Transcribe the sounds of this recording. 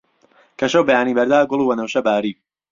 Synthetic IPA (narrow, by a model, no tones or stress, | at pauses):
kʰɐʃɐwbɐjaːnibɐɾd̪aːɡʊlˠuːwɐnɐwʃɐbaːɾiː